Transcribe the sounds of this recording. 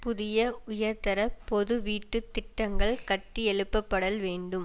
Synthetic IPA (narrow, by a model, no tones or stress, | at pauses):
pʊðɪjɐʊjɐɾt̪ɐɾɐpɔðɯʋiːʈːɯt̪ːɪʈːɐŋɡɐɭkɐʈːiɛɭɯpːɐpːɐɽɐlʋeːɳɖɯm